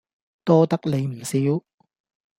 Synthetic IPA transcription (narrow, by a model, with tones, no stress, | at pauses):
t̪ɔː˥t̪ɐ˥k̚le˨˧jm̩˨˩siː˨˥w